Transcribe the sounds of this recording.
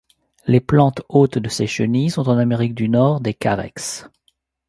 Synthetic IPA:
leplɑ̃t̪ot̪d̪əseʃənisɔ̃t̪ɑ̃nameʁik̚d̪ynɔʁd̪ekaʁɛ̰ks

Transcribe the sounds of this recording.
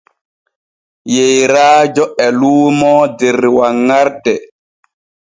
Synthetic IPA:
jejɾaːd͡ʒɔʔɛluːmɔːdɛɾwaŋːaɾdɛ

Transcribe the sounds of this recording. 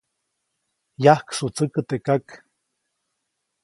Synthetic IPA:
jahksut͡sɨkət̪ekak

